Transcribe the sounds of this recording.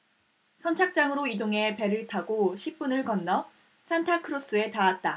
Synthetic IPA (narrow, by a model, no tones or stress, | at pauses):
sʰʌnt͡ɕʰak̚t͡ɕ͈aŋɯɾoidoŋe̞pe̞ɾɯɭtʰaɡoɕʰip̚p͈unɯɭkʌnːʌ | sʰantʰakʰɯɾos͈ɯe̞taat̚t͈a